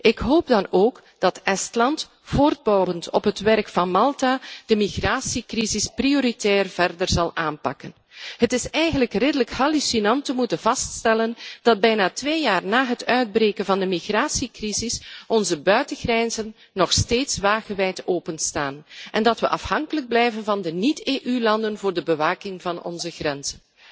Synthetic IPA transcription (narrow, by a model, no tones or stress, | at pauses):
ɪkɦoːp̚dɑnoːk | d̥ɑtʔɛstlɑnt | foːrd̚bɔwəntɔpɦətʋɛrkfɑnmɑlˠtaːd̥əmiɣraːsikrizɪsprioːɾitɛːrv̥ɛrdərzɑlˠʔaːnpɑkən | hətɪsɛjɣənləkrɪdələkhalysinɑntəmutənvɑststɛlənd̥ɑd̚bɛjnaːtʋeːjaːrnaːɦətœɥd̚breːkənvɑndəmixraːsikrizɪsɔnzəbœɥtəɣrɛnzənːɔxsteːtsʋaːɣəʋɛjtoːpənstaːnʔɛndɑtʋəʔɑfhɑŋkələɡ̚blɛjvənvɑndəniteːʔylɑndənvʊːrdəbəʋaːkɪŋvɑnɔ̰nzəɣrɛnzən